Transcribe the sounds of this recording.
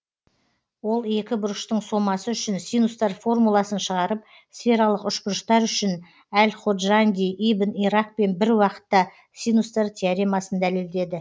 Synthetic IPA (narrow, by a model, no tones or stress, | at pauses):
wo̞lˠe̞kʲɪbʊɾəʃt̪əɴso̞mɑsəʏʃɪnsijnust̪ɑrfo̞rmulˠɑsənʃəʁɑɾəp̚ | sfʲe̞ɾɑlˠəqʏʃbʊɾəʃt̪ɑɾʏʃɪn | ælʲχod̪ʒanʲd̪ʲijʔibəniɾɑq̚pe̞nbɪɾwɑqə̥t̪ːɑ | sinust̪ɑɾt̪ʰʲeaɾijmɑsənd̪æle̞ld̪e̞d̪ɪ